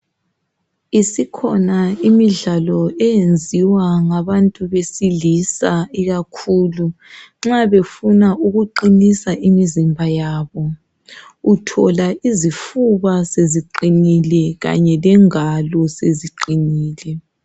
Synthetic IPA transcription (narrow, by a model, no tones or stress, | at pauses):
isikʰɔnaimiɮalɔɛjend͡zʱiwaŋaβantʼuβesilisaiɣakʰuːluŋ͡ǁaβefunaʔuɣuǃinisaʔimizimbʱajaːβɔ | utʰɔlaʔizifuβaseziǃinilɛɣa̰ɲɛlɛŋalɔseziǃiniːlɛ